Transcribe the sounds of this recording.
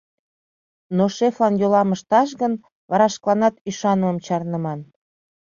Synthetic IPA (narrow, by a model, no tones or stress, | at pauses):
noʃeflɑnjolɑməʃt̪ɑʃ̬ɣən | βɑɾɑʃklˠɑnɑt̪yʃɑnəməmt͡ɕɑrnəmɑn